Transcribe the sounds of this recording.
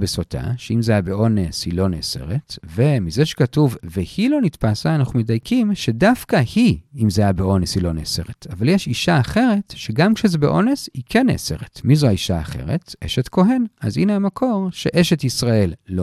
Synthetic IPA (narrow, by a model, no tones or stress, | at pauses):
besotʰa̰ʃeimzeajabeʔo̞neshilo̞nese̞̰ʁetve̞mizeʃe̥katuvvehilo̞nitpasaːnaχumedajkʰimʃedafkahiimzeajabeo̞neshilo̞nese̞ʁetavaljeʃiʃaːχe̞ʁe̞tʃeɡamkʃezebḛʔo̞ne̞shikʰenḛːse̞̰ʁetmizoaiʃaːχe̞̰ʁetʔeʃetko̞ɦe̞na̰zḭneamakʰo̞ʁʃe̞ʔeʃetisʁae̞lːo